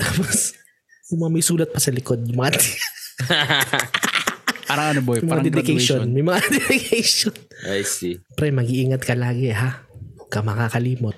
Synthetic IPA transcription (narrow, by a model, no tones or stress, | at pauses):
t̪aːpos | jʊŋmɐŋamɐjsuːlɐt̪̚pɐsɐlɪkod̪̚jʊŋmɐŋad̪ | paːɾɐŋɐnobojmɐŋad̪ɛd̪ɪkɐjʃonmɐjmɐŋad̪ɛd̪ɪkɐjʃonajsipɾɛmɐɡiʔiŋɐt̪̚kɐlaːɡɛɦakɐmɐkaːkɐliːmot̪̚